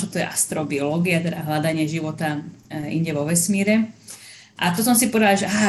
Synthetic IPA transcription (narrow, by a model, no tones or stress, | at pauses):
ɔt̪ɔjɛ̰ʔast̪ɾɔbiɔlɔːɡiat̪ɛd̪aɦlad̪aɲɪɛʒiʋɔt̪aḭɲɟɛʋɔʋɛsmiːɾɛ | ʔat̪ɔsɔmsipɔd̪alaʒɛaː